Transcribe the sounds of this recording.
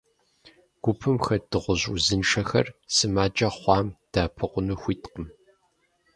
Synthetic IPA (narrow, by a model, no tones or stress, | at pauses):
ɡ̥ʷʊpʰɨmxɐd̥ɨʁʷʊʑuzɨnʂʰɐxɐ̰rsɨmaːd͡ʒʼɐχʷɑːmd̥aːpʰɨqʷʊnuxʷiːtqəm